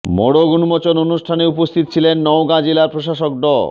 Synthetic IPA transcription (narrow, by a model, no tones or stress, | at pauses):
mɔɽoɡunmɔt͡ɕononuʃʈʰaneupost̪ʰit̪ot͡ɕʰilenːɔwɡad͡ʑilaɾpɾoʃaʃok̚ɖɔ